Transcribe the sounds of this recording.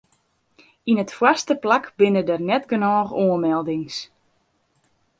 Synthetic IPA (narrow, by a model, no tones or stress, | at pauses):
inətfwastəplakbɪnədərnɛtɡənɔːxoənmɛlˠdɪŋs